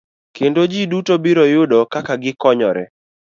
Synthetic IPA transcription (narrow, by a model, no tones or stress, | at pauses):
kendod͡ʒidutobiɾɔjʊdɔkakaɡɪkɔɲɔɾɛ̰